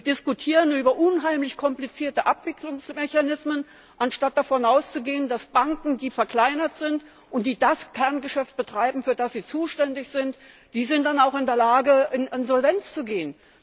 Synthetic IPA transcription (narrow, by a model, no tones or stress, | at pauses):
d̥ɪskutʰiːʁənyːbɐʔʊnɦaɪmlɪçkʰɔmplit͡siːɐtəʔapv̥ɪkʰlʊŋsmɛçanɪsmən | ʔanʃtat̚d̥afɔnʔaʊst͡suɡeːəndasb̥aŋkŋ̩diːfɛɐkʰl̥aɪnɐtz̥ɪnt | ʔʊnt̚d̥iːdaskʰɛɐnɡəʃɛft̚b̥ətʁ̥aɪbm̩fyːɐdasz̥iːt͡suːʃtɛndɪçz̥ɪnt | d̥iːzɪnt̚d̥anaʊxɪndeːɐlaːɡəʔɪnʔɪnzɔlvɛnt͡st͡suɡeːən